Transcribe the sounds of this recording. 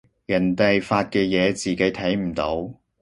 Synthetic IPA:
jɐ˨˩nt̪ɐ˨jfaː˧t̚kɛː˧jɛː˨˧t͡siː˨ke˨˥jt̪ʰɐ˨˥jm̩˨˩t̪o˨˥w

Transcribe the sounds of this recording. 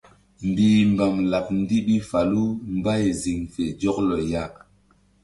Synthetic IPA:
mbiː˨mba˨mla˨p̚n˦di˦ɓi˦fa˨lu˦m˦ba˦jzi˨ŋfe˨d͡ʒɔ˦klo˨ja˦˨

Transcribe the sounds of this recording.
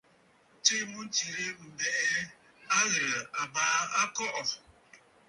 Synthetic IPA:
t͡ʃe˦mu˦n˦t͡ʃi˨ɾe˦m̩˨bɛ˦˨ʔɛ˦ | a˦ɣə˨a˨ba˨˦a˦kɔ˦ʔɔ˨

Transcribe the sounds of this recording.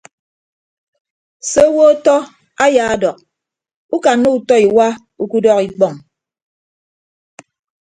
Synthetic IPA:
se˦wo˦tɔ˦ | a˦ja˨a˦dɔ˨k̚ | u˦ka˨nːo˦u˨tɔ˦i˨wa˦ | u˦ku˦dɔ˦ki˦k͡pɔ˨ŋ

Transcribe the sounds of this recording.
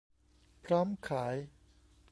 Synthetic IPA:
pʰɾɔː˦˥mkʰaː˩˦j

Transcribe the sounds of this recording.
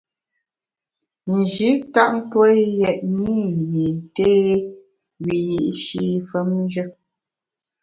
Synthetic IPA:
n̩˨d͡ʒi˨˦ta˦ʔn̩˦two˦jɛ˨ʔ̚mi˦˨ji˨n̩˨te˦ | ɥi˨ji˨ʔʃi˦fə˨˦mn˦d͡ʒə˦

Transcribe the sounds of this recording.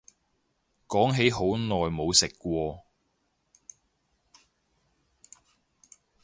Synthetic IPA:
kɔː˨˥ŋɦe˨˥jɦo˨˥wnɔː˨jmo˨˧wsɪ˨kːʷɔː˧

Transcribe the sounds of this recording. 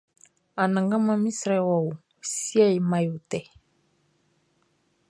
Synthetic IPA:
a˨nã˨ŋɡa˦ma˦mi˦sɾɛ˦˨wa˨u˨ | si˦a˦i˨ma˨ju˨tɛ˨

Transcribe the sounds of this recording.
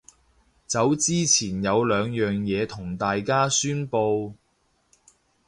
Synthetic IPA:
t͡sɐ˨˥wt͡siː˥t͡sʰiː˨˩njɐ˨˧wlœː˨˧ŋjœː˨ŋjɛː˨˧t̪ʰʊ˨˩ŋt̪aː˨jkaː˥syː˥npo˧w

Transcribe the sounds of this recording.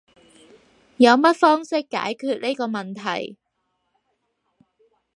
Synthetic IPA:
jɐ˨˧wmɐ˥t̚fɔː˥ŋsɪ˥kːa̰ː˨˥jkʰyː˧t̚ni˥jkɔː˧mɐ˨nt̪ʰɐ̰˨˩j

